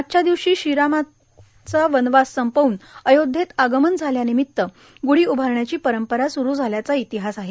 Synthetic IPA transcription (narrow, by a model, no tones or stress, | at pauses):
at̪̚t͡ɕad̪iʋɕiːɕiɾama | t͡saʋənʋasːəmpəuːnəjod̪ʱːet̪aɡəmənd͡zʱaljanimit̪ːə | ɡuɽ̤iːubʱaɾɳjat͡ɕiːpəɾəmpəɾasuɾuːd͡zʱaljat͡sait̪iɦasaɦe